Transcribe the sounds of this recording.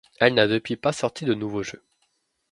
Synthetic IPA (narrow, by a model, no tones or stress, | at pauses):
ɛlnad̪əpɥipasɔʁt̪ʰid̪ənuvoʒø